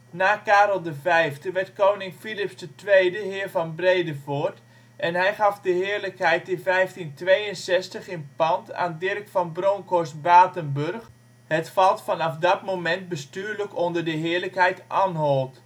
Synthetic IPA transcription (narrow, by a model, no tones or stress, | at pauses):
naːkaːɾəlˠdəvɛjfdəʋɛrtkoːwnɪŋfilɪpsdətʋejdəɦɪːɹvɑnbrejdəvoɹt | ʔɛnɦɛjχɑfdəɦɪːɹləkhɛjtəvɛjftintʋejənsɛstəχɪnpɑntʰa̰ːndɪrkfɑnbroŋkoɹsbaːtənbørx | hətfɑlˠtfɑnɑfdɑtmomɛnt̚bəstyːɹləkondərdəɦɪːɹləkhɛjtʔanɦolˠt